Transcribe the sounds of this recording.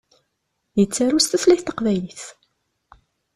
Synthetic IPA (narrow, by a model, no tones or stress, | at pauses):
jət͡sːæɾust̪æθlæθt̪ːəqvæjliθ